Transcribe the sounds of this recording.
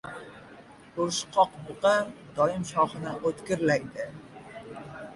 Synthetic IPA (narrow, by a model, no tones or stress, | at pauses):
ʊɾʃqʰɒqbʊqɑd̪ɒjɪmʃɒχɨnɪʔot̪kʲɪɾlaɡʲd̪ɪ